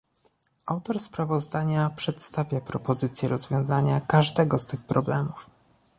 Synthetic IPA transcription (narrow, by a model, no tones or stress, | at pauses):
awt̪ɔɾspɾavɔzd̪aɲapʂɛt̪st̪avʲjapɾɔpɔzɘt̪sʲjɛɾɔzvʲjɔ̃w̃zaɲakaʐd̪ɛɡɔst̪ɘxpɾɔblɛmuf